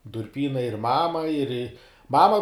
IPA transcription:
dʊrʲˈpʲiːnɐɪ ɪr ˈmɑːmɐ ɪr ɪ ˈmɑːmɐ

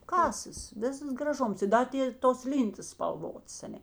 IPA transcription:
ˈkɑːsɐs ˈʋʲɪsɐs ɡrɐˈʒʊms ɪ ˈdɐ tʲɪ toːs ˈlʲiːntɐs spɐlˠˈʋoːts ɐˈnʲɛ

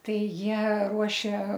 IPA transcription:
ˈtɐɪ ˈjiɛ ˈruɔʃʲeː

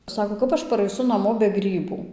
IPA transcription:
ˈsɑːkoː ˈkɐp ɐʃ pɐrɐɪˈsʊ nɐˈmoː bʲɛ ˈɡrʲiːbuː

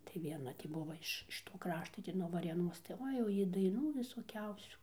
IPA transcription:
tɐɪ ʋʲiɛˈnɐ ˈtʲiː ˈbʊʋɐ ɪʃ ɪʃ ˈtoː ˈkrɑːʃtoː nuɔ ʋɐrʲeːˈnoːs tɐɪ ˈoːɪ jɛʊ ˈjɪ dɐɪˈnuː ʋʲɪsoːˈkʲɛʊsʲuː

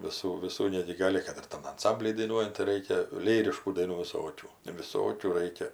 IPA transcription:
ʋʲɪˈsuː ʋʲɪˈsuː ˈnʲæːɡʲɪ ˈɡɑːlʲɪ kɐt ɪr ˈtɐm ɐnˈsɐmʲbʲlʲiː dɐɪˈnuɔjɛnt tɐɪ ˈrɐɪkʲɛ ˈlʲiːrʲɪʃkuː dɐɪˈnuː ʋʲɪˈsoːkʲuː ʋʲɪˈsoːkʲuː ˈrɐɪkʲɛ

